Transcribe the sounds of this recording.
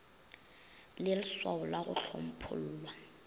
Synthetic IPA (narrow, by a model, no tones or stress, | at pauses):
lɪlɪswaʊlwaɣʊ̰ɬʰom̩pʰʊ̰l̩ːlwa